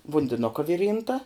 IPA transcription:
ʋʊnʲdʲɪˈnʊkɐ ˈʋʲɪˌrʲiːntɐ

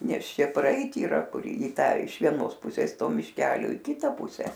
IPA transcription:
ˈnʲɛs ˈʃʲɛ prɐˈɛɪt iːˈrɐ ˈkʊr ɪ ˈtɑː ɪʃ ʋʲiɛˈnoːs ˈpʊsʲeːs ˈtoː mʲɪʃʲˈkʲæːlʲoː ɪ ˈkʲɪtɐ ˈpʊsʲɛ

